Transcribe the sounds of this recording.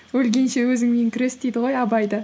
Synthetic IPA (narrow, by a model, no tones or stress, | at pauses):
wɵlɡʲe̞nʃe̞wɵzɪŋme̞ŋkʲʰɪɾe̞sd̪ejd̪ɪʁo̞jɑbɑjd̪ə